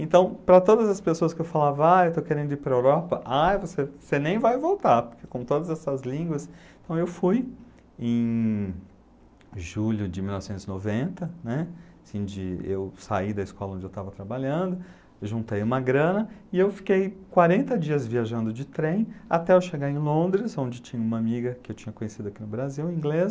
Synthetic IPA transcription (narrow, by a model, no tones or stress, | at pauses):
ẽnt̪ɐ̃w̃pɾɐt̪od̪ɐzɐspesoɐskɪewfalavɐaewt̪owkeɾẽnd̪ʊiɾpɾɐewɾɔpɐʔajvosesenẽj̃vajvowt̪aɾpoɾkekõt̪od̪ɐzɛsɐzlĩɡwɐsẽt̪ɐ̃w̃ewfuj | ẽj̃ | ʒuʎʊd͡ʒɪmilnɔvɪsẽnt̪ʊzɪnovẽnt̪ɐnɛ | sĩd͡ʒɪḛwsaid̪ɐɪskɔlˠɐõd͡ʒɪewt̪avɐt̪ɾabaʎɐ̃d̪ʊ | ʒũnt̪ejũmɐɡɾɐ̃nɐɪewfi̥kejkwaɾẽnt̪ɐd͡ʒiɐzviaʒɐ̃nd̪ʊd͡ʒɪt̪ɾẽj̃at̪ɛawʃeɡaẽj̃lõnd̪ɾɪsõnd͡ʒɪt͡ʃĩɲɐũmɐamiɡɐkɪewt͡ʃĩɲɐkõɲesid̪ʊakinʊbɾaziwĩɡlez